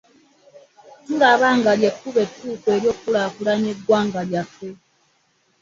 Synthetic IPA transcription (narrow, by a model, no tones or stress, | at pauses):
tuɾaβaːŋɡaljekːuβetːuːkeɾjo̞ːkːulakulaɲeɡwaːŋɡaljatwe